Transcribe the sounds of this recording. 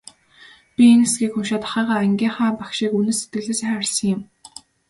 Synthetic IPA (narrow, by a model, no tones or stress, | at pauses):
pʲienesɡʲiːkxʊmʃaːt̪ḁχæːʁaːæŋɡʲiːŋχaːpakʃiːkunɘːset̪̚ɡɘ̆ɮeːsarʲsə̆ŋɪ̆m